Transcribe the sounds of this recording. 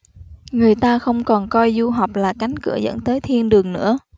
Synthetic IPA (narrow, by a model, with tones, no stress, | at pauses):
ŋɨ˨˩əjt̪aː˧xə˧wŋ͡mkɔ˨˩nkɔ˧jzu˧ɦa˨˩wk͡p̚laː˨˩ka˨˦jŋ̟kɨ̰˧˩əzə̰˧˥nt̪əː˨˦jt̪ʰi˧ənɗɨ˨˩əŋnɨ̰˧˥ə